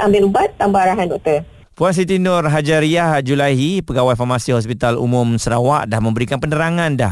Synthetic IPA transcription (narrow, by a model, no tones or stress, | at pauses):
ambɪlubat̪ːambaaɾaɦandɔk̚t̪ər | puans̬it̪inʊrɦad͡ʒaɾiahd͡ʒulaɦipəɡawajfarmasiɦɔs̬pit̪alṵmʊmsəɾawa̰ʔdahmə̃mbəɾikanpənəɾaŋãnda̰h